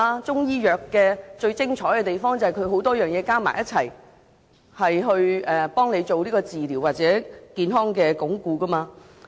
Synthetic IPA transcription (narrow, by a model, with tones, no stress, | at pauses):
a˧t͡ʃʊ˥ŋjiː˥jœː˨kːɛː˧t͡ʃɵ˧ɥt͡sɪ˥ŋt͡ʃʰɔː˨˥jkɛ˧t̪e˨jfɔː˥ŋt͡saɐ˨˩hɐ˨jkʰɵ˨˧ɥɦo˨˥wt̪ɔː˥jœː˨ŋjɛː˨˧kaː˥ma̰ː˨˩jɐ˥t̚t͡sʰɐ̰˨˩j | hɐ˨jɦɵ˧ɥɛː˨˩pɔː˥ŋne˨˧jt͡so˨wliː˥kɔː˧t͡siː˨liː˨˩waː˨t̚t͡sɛː˨˥kiː˧nɦɔː˥ŋkɛː˧kʊ˨˥ŋkuː˧kɐ˥maː˧